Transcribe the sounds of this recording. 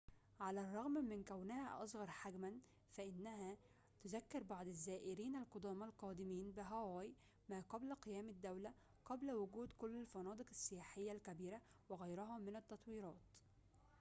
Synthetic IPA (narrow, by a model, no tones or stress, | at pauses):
ʕalærˤːɑɣmmɪnkæwnɪhæʔɑ̰sˤɣɑɾˤħaɡmæn | fæʔɪnːæɦæː | t̪ʊzækːɪɾbɑʕd̪ˤɪzːæːʔɪɾiːnalqod̪ɑːmɑlqɑːd̪ɪmiːnbɪɦæwaːj | maːqɑblqejæːmɪd̪ːæwlæ | qɑblwʊɡuːd̪kʊlːɪlfɑnɑːd̪ˤɨqɪ̥sːɪjaːħɪjːælkæbiːɾæ | wɪɣæjɾʊɦɑːmɪnæt̪ːɑt̪ˤwiːɾˤɑːt̪